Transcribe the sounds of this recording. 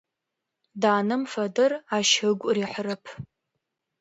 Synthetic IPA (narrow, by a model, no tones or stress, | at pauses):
daːnɨmfɐdɨraʃhɨɡʷʼriħʷrɨpʰ